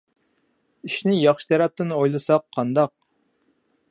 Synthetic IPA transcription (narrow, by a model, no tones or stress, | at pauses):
iʃnɪjɑχʃi̥t̪ʰɛɾɛp̚t̪ɪnojlˠɨsɑqʰːɑnd̪ɑq̚